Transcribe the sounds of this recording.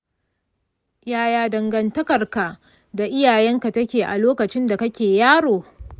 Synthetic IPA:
jaː˦jaː˦dɐ˨ŋɡɐ˨ntɐ˦kɐ˨rka˨ʔ | da˨ʔɪ˦jaː˨jɛ˦ŋka˨tɐ˦kʲeː˨ʔa̰˨loː˦kɐ˨t͡ʃɪ˦nda˨kɐ˦kʲeː˨jaː˦ɽoː˨

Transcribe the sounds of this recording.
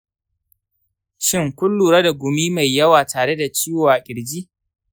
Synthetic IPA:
ʃɪ˦ŋkʷʊ˦lːuː˨ɾɐ˦da˨ɡʷʊ˨miː˦ma˨jːɐ˦waː˨taː˨ɽe˦da˨t͡ʃiː˦woː˨a˨a˨kʲʼɪ˨ɽd͡ʒiː˦

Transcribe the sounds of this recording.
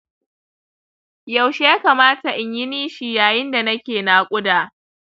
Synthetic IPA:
ja˨wʃe˦jaː˦kaː˨maː˦ta˨ʔɪ˨ɲjɪ˦niː˦ʃi˦jaː˨jɪ˦nda˨nɐ˦kʲeː˨naː˨kʷʼʊ˦daː˨

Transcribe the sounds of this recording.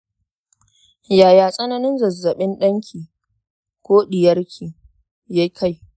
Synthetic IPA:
jaː˨jaː˨sʼɐ˦nɐ˦nɪ˦nzɐ˨zːɐ˨ɓɪ˦nɗɐ˦ŋkʲʰiː˨ | kʷoː˦ɗɪ˨jɐ˦rkʲʰiː˨ | ja˦kʰa˦˨j

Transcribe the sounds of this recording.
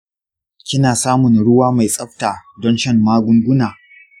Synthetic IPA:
kʲɪ˦naː˨saː˦mʊ˨nɽʊ˦waː˦ma˨jsʼɐ˦ɸtaː˨dɔ˦nʃɐ˦nmaː˦ɡʷʊ˦ŋɡʷʊ˦naː˨

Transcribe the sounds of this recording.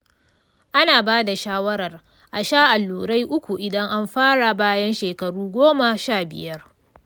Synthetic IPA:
ʔa˦naː˨baː˦da˨ʃaː˦wɐ˦ɾɐ˨r | ʔa˨ʃaː˦˨ʔa˨lːuː˨ɽa˦jʔʊ˦kʷu˨ʔɪ˨dɐ˦ŋʔa˦mɸaː˦ɽa˨baː˦jɐ˦nʃeː˨kɐ˨ɽuː˦ɡʷoː˦ma˨ʃaː˦˨bɪ̰˨jɐ˦r

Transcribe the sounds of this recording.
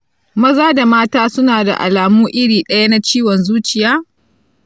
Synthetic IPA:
mɐ˦zaː˦da˨maː˦taː˦sʊ˦naː˨da̰˨ʔa̰˨laː˨muː˦ʔɪ˦ɽiː˨ɗɐ˦ja˦na˦t͡ʃiː˦wɔ˨nzuː˦t͡ʃɪ˨jaː˦

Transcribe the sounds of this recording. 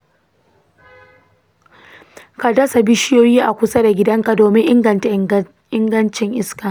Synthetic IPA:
ka˨dɐ˦sa˨bɪ˦ʃɪ˦joː˦jiː˦ʔa˨kʷʊ˦sa˦da˨ɡʲɪ˦dɐ˦ŋka˨doː˨mɪ˦ŋʔɪ˦ŋɡɐ˨nta˨ | ʔɪ˦ŋɡɐ˦nt͡ʃɪ˨ŋʔɪ˦skaː˨

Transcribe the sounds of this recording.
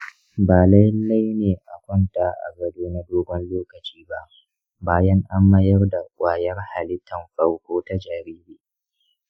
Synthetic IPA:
baː˨lɐ˦jɪ˦nːa˦jneː˨ʔa˨kʷɔ˦ntaː˨ʔa̰˨ɡɐ˦doː˦na˦doː˦ɡɔ˦nloː˦kɐ˨t͡ʃiː˦ba˦ʔ | baː˦jɐ˦ŋʔa˦mːɐ˦jɐ˦rda˨kʷʼaː˨jɐ˦rha˨lɪ˦tːɐ˨mɸɐ˦ɽkʷoː˦ta˦d͡ʒaː˨ɾiː˦beː˦ʔ

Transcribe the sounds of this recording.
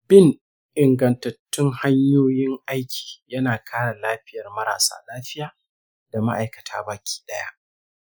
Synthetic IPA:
bɪ˦n | ʔɪ˨ŋɡɐ˨ntɐ˨tːʊ˦ŋha˦ɲjoː˦jɪ˦ŋʔa˦jkʲʰi̥ː˨jɐ˦naː˨kʰaː˦ɽa˨laː˦ɸɪ˦jɐ˨rmɐ˦ɾa̰ː˨sa̰ː˦laː˦ɸɪ˦jaː˨ | d̥a˨ma̰˦ʔa˨jkɐ˨tʰa̰ː˦baː˨kʲʰi̥ː˦ɗɐ˦ja̰˦ʔ

